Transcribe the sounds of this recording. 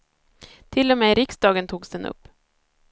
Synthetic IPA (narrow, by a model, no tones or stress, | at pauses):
t̪ʰɪlːɔmeːɾɪksd̪ɑːɡənt̪ʰuːɡsd̪ɛnɵ̰pː